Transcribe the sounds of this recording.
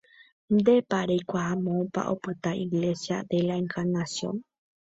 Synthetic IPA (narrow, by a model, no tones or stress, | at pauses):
d̪epaɾejkʷaamõpa̰ʔopɨt̪aʔiɣlesjad̪elaeŋkaɾnasjo̰n